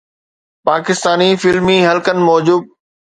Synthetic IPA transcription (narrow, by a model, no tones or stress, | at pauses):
paːkɪst̪aːnifɪlmiɦɐlkənɪ̆mɔːd͡ʑuːb̚